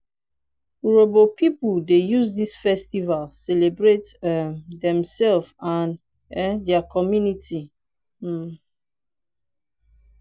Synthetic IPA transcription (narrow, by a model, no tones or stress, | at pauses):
uɹobopipuldejuzdisfɛstivalsɛlebɹet | dɛ̃msɛlfãn | ɛdɛakʰɔmjuniti